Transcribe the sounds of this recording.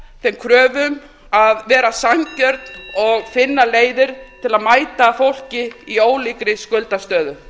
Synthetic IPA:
θɛmkʰɾœːvʏm | aðvɛːɾasamcœɾt̪nɔɣfɪnːaleːjðɪɾ̥t̪ʰɪlaðmaːjt̪afowl̥cɪioːwlikɾɪskʏlt̪ast̪œːðʏ

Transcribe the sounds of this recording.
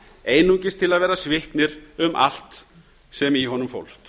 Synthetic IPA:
eːjnuɲcɪst̪ʰɪlaðvɛːɾasvɪhknɪɾʏmʔa̰l̥t̪ | sɛmiɦɔnʏmfo̰wlst̪

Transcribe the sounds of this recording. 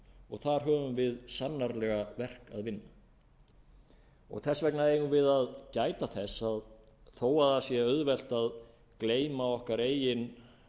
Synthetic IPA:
ɔɣθaɾ̥ɦœːvʏmvɪðsanːaɾlɛɣavɛr̥ka̰ðvɪnːa | ɔ̰ɣθɛsːvɛknaejɣʏnvɪðaðcaːjt̪aθɛsːað | θoːwaðasjɛœðvɛl̥t̪að | kleːjmaɔhkaɾeːjɪn

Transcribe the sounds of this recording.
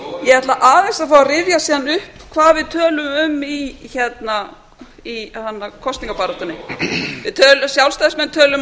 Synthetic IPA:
jɛhɛt̪laʔaːðɛsafawarɪvjasiːðanʏhpkʰvaːðvɪðt̪ʰœːlʏmʏmiçɛt̪na | ihanːakʰɔst̪iŋkapaːɾat̪ʏnːɪvɪðt̪ʰœːlʏsjawlst̪aːðsmɛnt̪ʰœːlʏm

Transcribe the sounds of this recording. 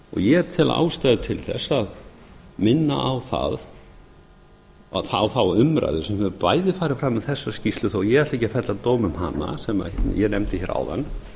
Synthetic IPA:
ɔ̰ɣjɛɛt̪ʰɪla̰ʔa̰ːwst̪ajðʏt̪ʰɪlθɛ̰sað | mɪnːa̰ʔawθa̰ð | θawθawʏmɾa̰jðɪsɛmhʏðʏpaːjðɪfaːɾɪfɾamːɪθɛsːḁscist̪lʏθowjɛɣɛ̥t̪ejcafɛt̪lat̪oːwmʏmɦa̰nːa̰sɛma̰jɛnɛmt̪ɪçɛɾa̰ːwða̰nː

